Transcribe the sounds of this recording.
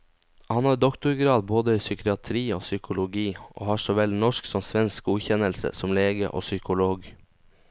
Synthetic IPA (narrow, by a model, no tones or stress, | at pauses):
hɑnɑːɾd̪ɔkt̪ʊɾɡɾɑːd̪boːd̪əiːsʏkɪɑt̪ʰɾiːoːsʏkʰʊlʊɡiːʔo̰ːhɑːʂɔʋɛlnɔʂksɔmsʋɛnskʉːçɛnəlsə̰sɔmleːɡə̰ʔo̰ːsʏkʊloːɡ